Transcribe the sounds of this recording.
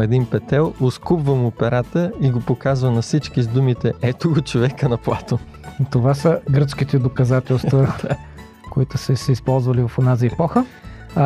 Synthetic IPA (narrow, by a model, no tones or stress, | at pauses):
ɛd̪inpɛt̪ɛlˠʊskupvəmʊpɛɾat̪əiɡopokazvənɐfsit͡ʃkizd̪umit̪ɛɛt̪ʊɡot͡ʃovɛkənɐplˠat̪o | t̪ovasəɡɾət̪sk̟it̪ɛd̪okɐzat̪ɛlˠst̪və | koit̪ʊsəsɛispɔlˠzvɐlivɐfonaziɛpɔxə